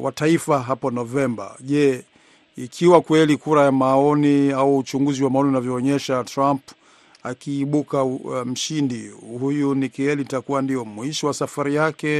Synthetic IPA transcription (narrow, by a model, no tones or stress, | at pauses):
wʔataifaɦapɔnɔvɛmba̰ʄɛ | ikʰiwakwɛlikuɾajamaɔniauːt͡ʃuŋɡuziwamaɔninavjɔːɲɛʃatɾamp | akiːɓukam̩ʃindihujunikɛɛlitakuwandijɔmuiʃiwasafaɾijakɛ